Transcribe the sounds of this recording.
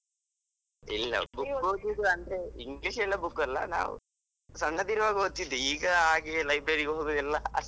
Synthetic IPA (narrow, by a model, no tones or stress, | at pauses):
ilːɐ̰bukːoɡid̪uɐnd̪ɾeiŋɡliʂelːɐbukːɐlːɐ̰na̰ːʋ̰ | sɐnːɐd̪iɾɐʋaːɡot̪ːid̪eiːɡɐaːɡijɐlɐjbɾɐɾiɡɐɦoːɡuðilːɐɐ